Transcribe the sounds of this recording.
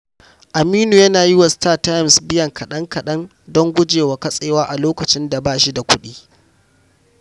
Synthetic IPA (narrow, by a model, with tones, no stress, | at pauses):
ʔa˨miː˦nu˨jɐ˦naː˨ji˦wa˨staː˦˨ta˦jmsbɪ˦jɐ˨ŋkɐ˨ɗɐ˦ŋkɐ˨ɗɐ˦n | dɔ˦ŋɡʷʊ˦d͡ʒeː˨wa˨kɐ˦sʼeː˦waː˦ʔa˨loː˦kɐ˨t͡ʃɪ˦nda˨baː˦ʃi˦da˨kʷʊ˦ɗiː˦